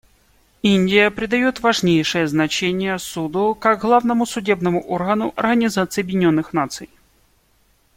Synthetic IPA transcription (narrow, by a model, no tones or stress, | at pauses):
inʲdʲɪjəpɾʲɪd̪ɐjo̞t̪vɐʐnʲejʂɨjəznɐt͡ɕenʲɪjəsud̪ʊkaɡɣlˠavnəmʊsʊdʲebnəmʊʔorɣənʊʔɐ̰rɣənʲɪzat̪sɨjɐbʲjʲɪnʲo̞nːɨxnat̪sɨj